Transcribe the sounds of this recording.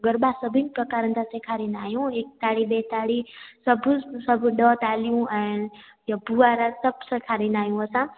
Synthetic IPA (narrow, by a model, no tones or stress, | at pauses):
ɡəɾbasəbʱinipɾəkaɾə̃nt̪ʰasekʰaɾinaːjũek̚t̪aɽibet̪aɽisəbsəbʱɖət̪alijũã | jabuaɾasəbʱsekʰaɾinaːjũəsã